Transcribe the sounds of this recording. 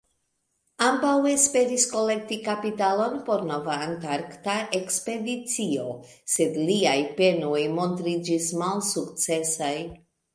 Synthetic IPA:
ambawespe̞ɾisko̞le̞k̚tikapitalo̞npo̞ɾnovaːntaɾktaʔekspe̞dit͡sio̞ | se̞dliajpe̞nojmo̞ntɾid͡ʒismalsukt͡se̞saj

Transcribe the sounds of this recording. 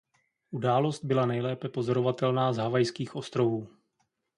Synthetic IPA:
ʔudaːlo̞st̪̚bɪlanɛjlɛːpɛpo̞zo̞ɾo̞vat̪ɛlnaːzɦavajskiːxʔo̞st̪ɾo̞vuː

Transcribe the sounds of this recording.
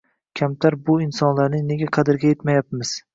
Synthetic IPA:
kʲʰamt̪ʰaɾbʊɪnsɒnlaɾnɪne̞ɡʲaqʰɑd̪ɪɾɡʲaje̞t̪majap̚mɪz̥

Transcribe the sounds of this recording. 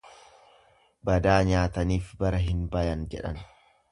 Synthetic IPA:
bɐd̪aːɲaːt̪ɐniːfbɐɾɐɦɪnbɐjɐnd͡ʒɛᶑɐ̰n

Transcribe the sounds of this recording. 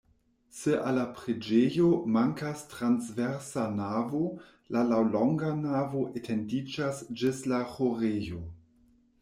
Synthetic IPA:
seʔalapɾed͡ʒejomaŋkastɾansveɾsanavo | lalawloŋɡanavo̞ʔetʰendid͡ʒasd͡ʒislaxoɾejo

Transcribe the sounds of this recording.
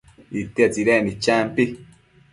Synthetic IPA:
it̪iat͡siɾenit͡ʃaːmpi

